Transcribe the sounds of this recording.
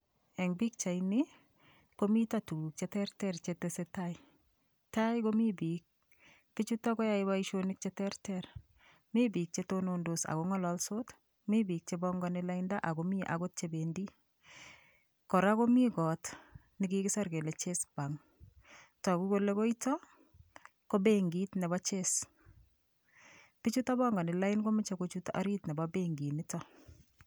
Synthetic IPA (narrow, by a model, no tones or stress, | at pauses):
ɛŋbik̚t͡ʃajnɪ | komitatuk̚t͡ʃetɛrtɛrt͡ʃetesetaj | tajkomibiːk̚ | pɪt͡ʃutɔkɔjaɪbaiʃonɪk̚t͡ʃetɛrtɛr | mibik̚t͡ʃetonondosa̰koŋɔlɔlsot | mibik̚t͡ʃebɔŋɡɔnɪlaindaʔakomiʔa̰ɡot̚t͡ʃebendi | kɔɾakomiɡɔt | nɪkɪkɪsaɾkelet͡ʃesbaŋ | takukolekoitɔ | kobeŋɡitnɛbat͡ʃes | pɪt͡ʃutabɔŋɡɔnɪlaɪnkomɪt͡ʃakot͡ʃuta̰ɾitnɛbabeŋɡinɪtɔ